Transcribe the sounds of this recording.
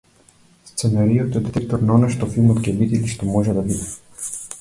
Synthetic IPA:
st̪sɛnaɾijɔt̪ɔjɛd̪ɛt̪ɛk̚t̪ɔɾnaɔnajʃt̪ɔfilˠmɔt̪kiɛbit̪iliʃt̪omoʒɛd̪abid̪ɛ

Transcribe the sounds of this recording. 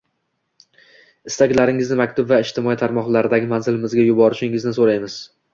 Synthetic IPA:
ɪst̪ʰaɡʲlaɾɪŋɪznɪmakʲt̪ʰʊbvaɪʃt̪ʰɪmɒit̪ʰaɾmɒχlˠaɾɪd̪aɡʲɪmanzɪlɪmɪzɡʲajʊbɒɾɪʃɪŋɪznɪsoɾajmɪz̥

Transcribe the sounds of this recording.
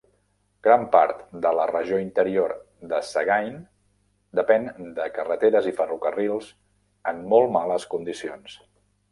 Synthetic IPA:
ɡ̥ɾampa̰ɾt̪d̪ələrəʒoint̪əɾioɾ | d̪əsəɣajn | d̪əpɛnd̪əkərət̪eɾəzifərukərilˠz | əmːolˠmaləskund̪isions

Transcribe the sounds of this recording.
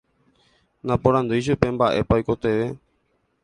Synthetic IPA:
nãpõɾ̃ãnd̪ujʃ̬upe̞mbaʔe̞paojko̞t̪eʋe̞

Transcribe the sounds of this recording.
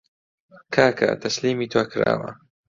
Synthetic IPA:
kʰaːkʰɐ̰t̪ʰɐsliːmiːt̪ʰoːkʰɨɾa̰ːwɐ

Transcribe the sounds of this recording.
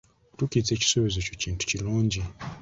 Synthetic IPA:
tukit͡se̞ci̥soβizocociːntʰu̥ciluːɲɟi

